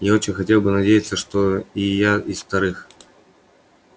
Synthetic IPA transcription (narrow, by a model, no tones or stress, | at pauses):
jao̞t͡ɕɪnʲxɐtʲe̞lˠbɨnɐdʲejɪt̪səʂt̪oijaisft̪ɐɾɨx